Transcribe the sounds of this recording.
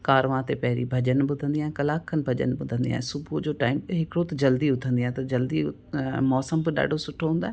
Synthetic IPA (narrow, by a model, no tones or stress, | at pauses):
kaːɾʋãt̪epɐɦɾḭbʱɐʄənbʊd̪ʱə̃nd̪iaːɦẽkɐlaːkʰːənbʱɐʄə̰nbʊd̪ʱə̃nd̪ija̰ːɦẽsʊbʱud͡ʑoːʈaːɪmɦɪkɽot̪d͡ʑɐld̪iʊt̪ʰə̃nd̪iaːɦt̪ɐd͡ʑɐld̪i | mɔːsəmbɪɗa̰ːɖʱosʊʈʰːoɦũːnd̪aː